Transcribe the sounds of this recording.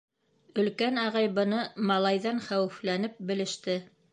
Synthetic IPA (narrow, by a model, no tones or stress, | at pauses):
ɵ̆lkænɑʁɑjbɤ̆nɤmɑlˠɑjðɑnχæwɘ̆flænɘp̚bɘ̆lɘ̆ʃt̪ɘ